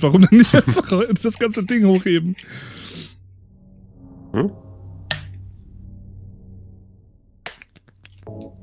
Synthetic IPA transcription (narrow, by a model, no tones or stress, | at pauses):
v̥aʁʊmdanːɪçʔafaχd̥asɡ̥ant͡sədɪŋhoːxheːbm̩ | m̩